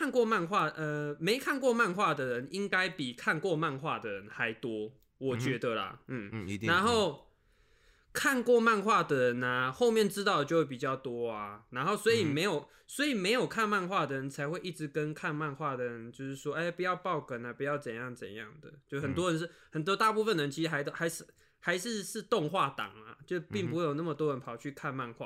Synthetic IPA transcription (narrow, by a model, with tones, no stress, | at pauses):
a˥˧nkwɔ˥˧ma˥˧nxwa˥˩ə˧me˧˥ɪkʰa˥˧nkwɔ˥˧ma˥˧nxwa˥˩d̪ə˩ɻə˧˦ni˦˥ŋka˥ɪpi˨˩kʰa˥˧nkwɔ˥˧ma˥˧nxwa˥˩d̪ə˩ɻə˧˦nxa˧˥ɪt̪wɔ˥ | wɔ˨˩t͡ɕɥɛ˧˥d̪ə˨lɐ̰˩n̩˥˩na˧˦nxo˥˩ʊ | kʰa˥˨˧nkwɔ˥˧ma˥˧nxwa˥˩d̪ə˩ɻə˧˦nɐ˨xo˥˧ʊmjɛ˥˧˨nʈ͡ʂɻ̩˥t̪̬ɑ˥˩ʊd̪ə˩t͡ɕo˥˧we˥˩pi˨˩t͡ɕjɑ˥˩ʊt̪wɔ˥ɐ˨na˧˥nxo˥˩ʊswɔ˧˥i˨˩me˧˥ɪjo˨˩ʊ | swɔ˧˥i˨˩me˧˥ɪjo˨˩ʊkʰa˥˧nma˥˧nxwa˥˩d̪ə˩ɻə˧˦nt͡sʰa˧˥ɪxwe˥˧ɪʔi˥˩ʈ͡ʂɻ̩˧˦kə˦nkʰa˥˧nma˥˧nxwa˥˩d̪ə˩ɻə˧˦nt͡ɕjo˥˧ʊʂɻ̩˥˩ʂwɔ˦e˧˥ɪpu˨˦jɑ˥˧ʊpɑ˥˧ʊkə˨˩na˨˩pu˧˦jɑ˥˩ʊt͡sə˨˩njɑ˥˩ŋt͡sə̰˨˩njɑ̰˥˩ŋd̪ə̰˩jo˥˧˩xə˨˩nt̪̬wɔ˥ə˧˦nʂ̩˥˩hə˨˩nt̪wɔ˥t̪a˥˧pu˥˧fə˩nd̪ə˩ə˦nt͡ɕʰi˧ʂɻ̩˥xa˧˥ɪxa˧ɪʂ̩˥˩ | xa˧˥ɪʂɻ̩˥˧ʂɻ̩˥˧t̪o˥˧ŋxwa˥˩t̪ɑ̰˨˩ŋɐ̰˩t͡ɕjo˥˧ʊpi˥˩ŋpu˧we˥˩jo˨˩na˥˩mə˩t̪wɔ˥ɻə˧˦npʰɑ˨˩ʊt͡ɕʰy˥˧kʰa˥˧nma˥˧nxwa̰˥˩